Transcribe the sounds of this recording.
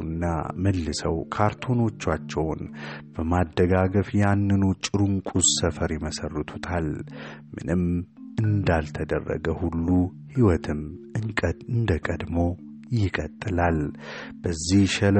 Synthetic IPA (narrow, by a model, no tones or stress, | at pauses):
nːa̰məlːɨsəwkʰaɾt̪ʰo̞no̞t͡ʃːat͡ʃːɛwnb̥əmad̪əɡaɡəfjanːɨnut͡ʃʼɨɾuŋkʷʼussəfəɾjɪməsərːɨt̪ʰut̪ʰalmɨ̰nɨmʔɨnd̪alt̪ʰəd̪ə̰rːə̰ɡəhulːu | hiwɔt̪ʰɨmɨŋʼɨnd̪əkʼəd̪mo̞ | jɪkʼət̪ʼːɨlalb̥əzːihʃəl